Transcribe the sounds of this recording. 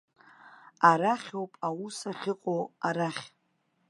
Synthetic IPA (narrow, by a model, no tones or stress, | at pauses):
aɾaχʲowpʼawusaχʲɪqʷʼowaɾaχʲ